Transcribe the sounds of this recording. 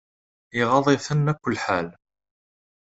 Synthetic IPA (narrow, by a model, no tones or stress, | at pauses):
ɪʁɑðˤiθənːækʷːʊlːħal